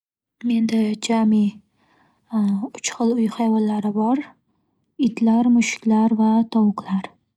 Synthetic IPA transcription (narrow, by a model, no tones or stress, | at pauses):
me̞nd̪ad͡ʒami | ʊt͡ʃχɨlˠʊjχajvɒnlaɾɪbɒɾ | ɪt̪laɾmʊʃkʲlaɾvat̪ʰɒwqʰlˠaɾ